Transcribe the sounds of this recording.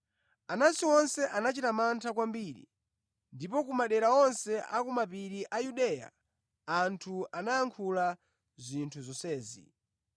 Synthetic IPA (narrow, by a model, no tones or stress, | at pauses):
anasiwɔnsɛʔanat͡ʃitamantʰakwambiɾḭ | ndipɔk̬umaɗɛɾaɔnsɛʔakumapiɾiʔajuɗɛːja̰ | antʰuanaaŋkʰula | zʷintʰuzɔsɛːzḭ